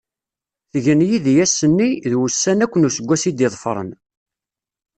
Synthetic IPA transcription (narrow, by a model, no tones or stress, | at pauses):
θəʝənjiðjæsːənːiðwusːænækʷːənusəɡʷːæsid̪ɪðˤfɾˤə̰n